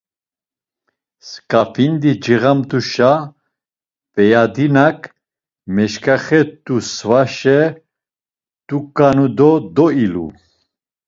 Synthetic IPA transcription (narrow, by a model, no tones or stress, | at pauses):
skʼafʰind̪id͡ʒiʁamt̪uʃa | pʼɛjad̪inakʰʼ | mɛʃkʰʼaχɛt̪ʼusvaʃɛ | t̪ʼukʼːanud̪ɔd̪ɔilṵ